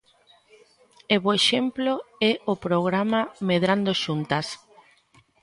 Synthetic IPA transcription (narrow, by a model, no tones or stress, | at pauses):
eβoeʃemploɛopɾoɣ̞ɾamameð̞ɾand̪oʃunt̪as